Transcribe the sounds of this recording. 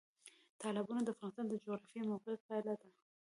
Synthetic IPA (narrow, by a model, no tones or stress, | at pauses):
t̪ɑlɪbɑnod̪əafɣɑnɪst̪ɑnd̪əd͡ʒoɣɾɑfjemaqɪpalad̪a